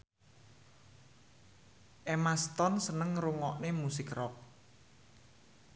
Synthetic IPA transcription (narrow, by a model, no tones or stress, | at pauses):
ʔemast̪ɔnsənəŋɾuŋɔʔnemusɪkrɔk̚